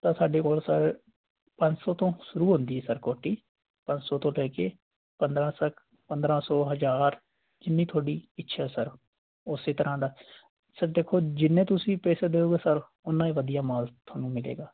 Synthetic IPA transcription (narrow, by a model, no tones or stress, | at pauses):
t̪ãːsaːɖeːkoːlsəɾ | pə̃ɲt͡ʃsɔːt̪õːʃʊɾuːɦʊ̃nd̪iːɦɛːsəɾkoːʈiː | pə̃ɲt͡ʃsɔːt̪õːlɛːkeː | pənd̪ɾãːsək | pə̃nd̪ɾãːsɔːɦəd͡ʒaːɾ | d͡ʒɪnːiːt̪ʰoːɽiːɪtːʃʰɛsəɾ | ʊseːt̪əɾãːd̪aː | səɾd̪eːkʰoːd͡ʒɪnːẽːt̪ʊsĩːpɛːseːd̪eːoːɡeːsəɾ | ʊnːãːiːʋəd̪ijaːmaːlt̪ʰoːnũːmɪlḛːɡaː